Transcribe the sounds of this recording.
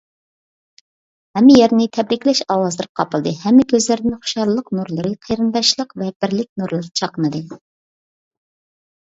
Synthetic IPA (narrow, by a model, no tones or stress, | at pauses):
hɛmːɪjɛɾnɪt̪ʰɛbɾɪkʲlɛʃɑwɑzlˠɨɾqʰɑpɨlˠd̪ɨhɛmːɪkʲʰøzlɪɾd̪ɪnχʊ̥ʃɑɾlˠəqnuɾlˠɨɾɨqʰəjɾɨnd̪ɑʃlˠəqvɛb̥ɪɾlɪk̚ʲnuɾlˠɨɾt͡ʃʰɑqənɨd̪ɨ